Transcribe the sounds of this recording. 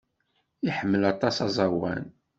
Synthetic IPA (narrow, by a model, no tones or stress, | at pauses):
iħəmːəlɑt̪ˤːɑsɑzˤɑwæ̰n